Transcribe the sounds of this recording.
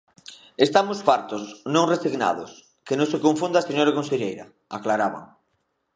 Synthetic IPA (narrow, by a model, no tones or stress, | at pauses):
est̪amʊsfaɾt̪osnõŋresiɣna̰ðo̰s | kenõsekõɱfũnd̪aseɲoɾakõnseʎejɾa̰ | aklaɾaβa̰ŋ